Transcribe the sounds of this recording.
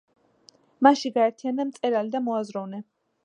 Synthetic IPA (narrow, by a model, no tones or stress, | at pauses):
maʃiɡaɛɾt̪ʰijanamt̪sʼɛɾalid̪amɔazɾɔvnɛ